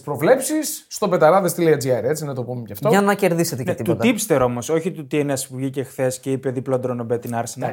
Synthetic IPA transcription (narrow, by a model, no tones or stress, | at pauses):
spɾo̞vle̞psisːt̪o̞pe̞t̪ɐɾɐðest̪iliɐd͡zieɾe̞t͡sinɐt̪o̞pumecɐft̪oɐnɐce̞ɾðiset̪ekɐt̪it̪ut̪ipst̪eɾo̞mo̞so̞çit̪ut̪ieneɐsi̥puɾʝice̞xθe̞sceipeðiplo̞nd̪ɾonobet̪inɐɾsenɐ